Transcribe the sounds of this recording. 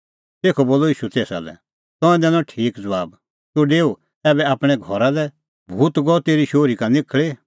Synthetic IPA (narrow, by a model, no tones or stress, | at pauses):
t̪eːkʰɔboːlɔiːʃut̪eːsa̰lɛ̰ | t̪ɔ̃ɛ̃d̪ɛ̃nɔ̃ʈʰiːkd͡zɐʋaːb | suɖeːu | ɛːbɛaːpɽ̃ɛɡʱɔɾalɛ | bʱuːt̪ɡɔt̪eːɾiʃoːɾikanɪkʰɭe